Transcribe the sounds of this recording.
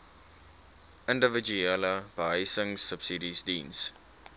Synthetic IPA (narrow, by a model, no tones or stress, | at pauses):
əndəvəd͡ʒueləb̥əɦəjsəŋsəpsidisdins